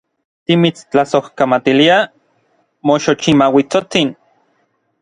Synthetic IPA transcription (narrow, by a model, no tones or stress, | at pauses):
t̪imit͡st͡ɬasohkamat̪ilia | moʃot͡ʃimawit͡sot͡sin